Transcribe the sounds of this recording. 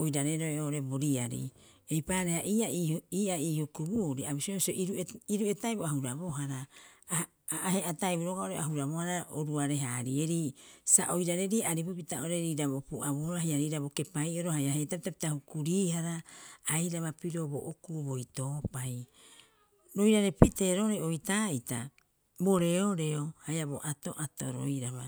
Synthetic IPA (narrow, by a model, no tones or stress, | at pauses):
ojɾaɾeɾoeoʔoɾe̞bo̞ɾiaɾḭ | e̞jpaɾehaʔiːaiiːaiːhukubuɾiaβisioisoʔiɾuiɾue̞tajboaɦuɾabo̞ɦaɾa | ɦeatajbuɾoɡaoɾeaɦuɾaβohaɾaoɾuaɾe̞ɦaɾie̞ɾisaʔojɾaɾe̞ɾiaɾibupitaoɾeɾiɾaβopuʔaβuɾahajaɾiɾaboke̞pajo̞ɾohajaɦetapitapi̥tahukuɾiːɦaɾaajɾaβapiɾo̞bo̰ʔokubo̞jto̞ːpaj | ɾo̞jɾaɾe̞pite̞ɾoɾeojtaːita̰ | bo̞ɾe̞oɾe̞ohajaboʔato̞ʔato̰ɾo̰jɾaβa